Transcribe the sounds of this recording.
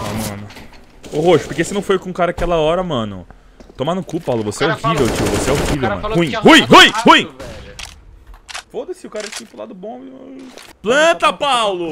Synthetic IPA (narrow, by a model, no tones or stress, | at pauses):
amɐ̃nʊ | oɦoʃʊ̥poɾkesɪnɐ̃w̃fojkõũkaɾɐaːkɛlɐɔɾɐmɐ̃nʊ̰ | t̪õmanʊ̃kupɐpawlʊvoseɛohivewt͡ʃiʊvoseɛohivewmɐ̰̃nũĩhũĩɦũĩhũĩ | fod̪ɐsiʊkaɾɐkĩpɾʊlad̪ʊbõimplɐ̃t̪ɐpawlʊ